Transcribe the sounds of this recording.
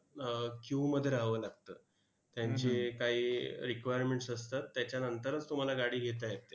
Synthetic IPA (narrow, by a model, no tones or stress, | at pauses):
kjuməd̪ʱːjeɾaɦʋəːlaɡ̚t̪əː | t̪jaɲt͡ɕekaiːɾikʋajəɾmeɳʈsəst̪at̪ːjat͡ɕjanənt̪əɾət͡st̪um̤alaɡaɽiːɡʱet̪̬ajet̪e